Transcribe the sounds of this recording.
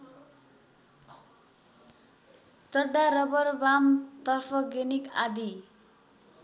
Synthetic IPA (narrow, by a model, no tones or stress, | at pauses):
t͡sʌɖaɾʌbʌrbamt̪ʌrpʰʌɡenikad̪i